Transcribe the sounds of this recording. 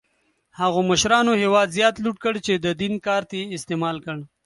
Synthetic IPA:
haɣoməʃɾɑnoɦewɑd̪zjɑːt̪luʈkəɽt͡ʃed̪əd̪inkɑːɾt̪eɪst̪emɑlkəɳ

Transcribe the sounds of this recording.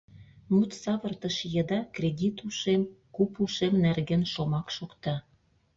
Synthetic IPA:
mut̪sɑβə̆rt̪ə̆ʃjəd̪ɑkrʲed̪ʲit̪uʃemkupuʃemnerɣĕnʃomɑkʃokt̪ɑ

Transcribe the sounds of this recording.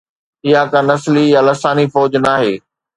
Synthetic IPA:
ɪɦakãnɐslijalɐsaːnifɔːd͡ʑnaːɦeː

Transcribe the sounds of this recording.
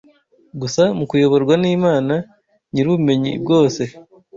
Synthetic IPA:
ɡusamukujo̞βo̞ɾɡwaniːmaːna | ɲiɾuβume̞ɲḭbɡo̞ːse̞

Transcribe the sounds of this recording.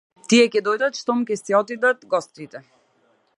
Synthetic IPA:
t̪iɛkɛd̪ɔjd̪at̪ʃt̪ɔmkʲɛsɛɔt̪id̪at̪ɡɔst̪it̪ɛ

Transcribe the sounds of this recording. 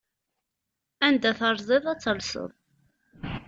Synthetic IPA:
ænd̪æθɑɾˤzˤeðˤæt͡sːəlsə̰ðˤ

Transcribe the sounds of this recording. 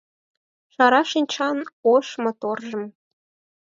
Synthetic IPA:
ʃɑɾɑʃinʲt͡ɕɑnoʃmɤ̆t̪orʒɤ̆m

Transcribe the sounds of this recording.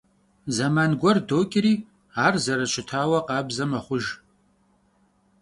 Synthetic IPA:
zɐmaːnɡʷɔrdoːkʲʼɪɾiː | aːrzɐɾɐʃʷʰɪtʰaːwɐqɑːbzɐmɐχʷʊʒ

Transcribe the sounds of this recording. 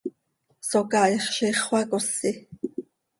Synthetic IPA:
sokɑiχʃiχwɑkosːi

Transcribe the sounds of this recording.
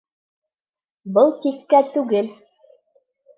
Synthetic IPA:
bɤlˠk̪ikːæt̪ʉɡɘl

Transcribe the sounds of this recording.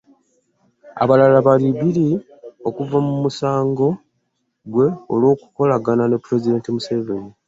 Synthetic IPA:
a̰βalalaβaliβili | o̞kuvamumusaːŋɡo̞ | ɡwe̞olwo̞ːku̥ko̞laɡanane̞pːuɾe̞zide̞ːntimuseveni

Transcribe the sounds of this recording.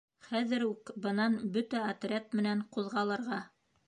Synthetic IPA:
χæðɘ̆ɾʉkbɤ̆nɑnbɵt̪æɐt̪rʲet̪̚mɘ̆næɴquðʁɑlˠɤ̆ɾʁɑ

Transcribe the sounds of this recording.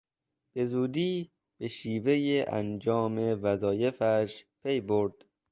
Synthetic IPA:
b̥e̞zuːd̪iː | b̥e̞ʃiːve̞jeʔæ̰nd͡ʒɒːme̞væzɒːje̞fæʃpʰe̞jboɾd̪̥

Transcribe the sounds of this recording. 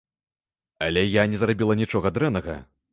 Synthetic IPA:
ɐlʲɛjanʲɛzrabʲilˠɐnʲit͡ʂɔɣɐd̪ɾɛnɐɣɐ̰

